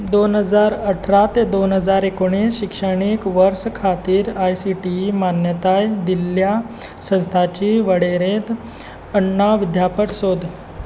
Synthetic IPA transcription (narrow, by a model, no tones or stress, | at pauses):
d̪onɦəd͡zaɾəʈʰɾat̪ed̪onɦəd͡zaɾekoɽ̃isɕikʂəɽ̃ikʋəɾskʰat̪iːɾajsiʈimanjət̪ajd̪ilja | sə̃st̪ʰat͡ɕiʋəɽeɾet̪ | əɳːaʋid̪ʱjapəʈsod̪ʱ